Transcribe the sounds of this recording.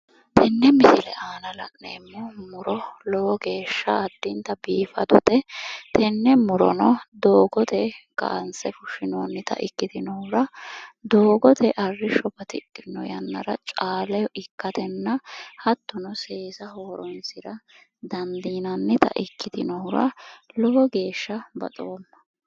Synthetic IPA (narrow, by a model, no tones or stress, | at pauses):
t̪ʰɛnːɛmɪsɪlɛʔaːnɐlɐ̰ʔneːmːɔmʊɾɔloɡe̞ːʃːɐːd̪̥ːɪnt̪ɐbiːfɐ̰d̪ʊt̪ɛt̪ʰɛnːɛmʊɾɔ̰nɔd̪oːɡɔt̪ʰɛka̰ːnsɛfʊʃɪnoːnːɪt̪ɐ̰ʔɪkːɪd̪ɪnɔhʊɾɐd̪o̞ːɡɔt̪ʰɛʔɐrːɪʃɔbɐt̪ɪkʼːɪnːɔ̰jɐ̰nːɐ̰ɾɐ̰t͡ʃʼaːlɛɪkːɐt̪ɛnːɐhɐt̪ːɔnɔse̞ːsɐɦoːɾɔnsɪɾɐ | d̪ɐnd̪iːnɐnːɛt̪ɐ̰ʔɪkːɪd̪ɪnɔhʊɾɐ̰lɔwɔɡe̞ːʃːɐbɐ̰t̪ʼoːmːɐ̥